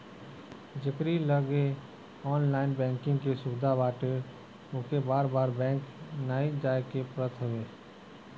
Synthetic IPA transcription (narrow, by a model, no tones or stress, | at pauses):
d͡ʒɪkɾiləɡe | ɔːnlaːɪnbɛ̃ːŋkɪ̃ŋɡkesʊbɪd̪ʱabaːʈe | okebaːɾbaːɾbɛ̃ːŋknaːid͡ʒaːekepɾət̪ʰəʋeː